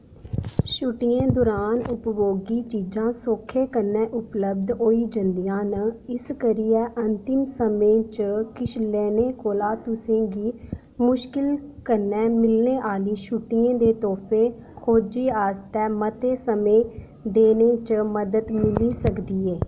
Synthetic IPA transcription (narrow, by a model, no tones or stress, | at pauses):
ʃʊʈɪjẽːd̪ʊɾaːnʊpʋoːɡiːt͡ʃiːd͡ʒãːsoːkʰeːkəɾnːɛːʔʊpləbd̪ɦoːiːd͡ʒənd̪ijãːnəɪskəɾiːɛːʔənt̪ɪmsəmẽːt͡ʃəkɪʃʰlɛːneːkoːlaːt̪ʊsẽːɡiː | mʊʃkɪlkəɾnːɛːmɪlneːʔaːliːʃuʈɪjẽːd̪eːt̪ɔːpʰeːkʰoːd͡ʒiːaːst̪ɛːmət̪eːsəmẽː | d̪eːneːt͡ʃəməd̪əd̪mɪliːsəkd̪iːeː